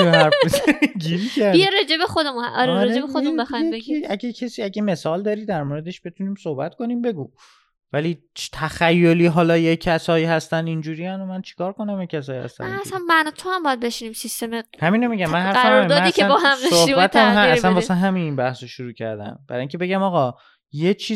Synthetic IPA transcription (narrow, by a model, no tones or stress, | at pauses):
æɾfezɟiɾicʰæɾdieɾed͡ʒebexod̪emuɒɾeeebexod̪emmbexjebeeæɟecʰesiːæɟeme̞sɒːld̪ɒːɾiːd̪æɾmoɾe̞d̪e̞ʃb̥e̞t̪ʰuːniːmsohbæt̪ko̞niːmbe̞ɡuː | væliːt̪ʰæxæjːoliːɦɒːlɒːjecʰːæsɒːiːhæst̪ænd̪ind͡ʒuːɾijændomænt͡ʃʰe̥kʰɒːɾko̞næmjecʰːæsɒːjhæ̰st̪æ̰nnːsænmænɒt̪ʰohambɒjæd̪̚beʃinimsist̪emehæmiːnomiɟæmːænhæɾfæmɾjmd̪ɒienbɒɦæmdesʃohibæt̪ʰæmɦææænɒːsænɦæmininbæhsoʃoɾuːcʰæ̰ɾd̪æ̰mb̥æɾɒːjiŋcʰebe̞ɡæmɒːɣɒ | jet͡ʃʰiː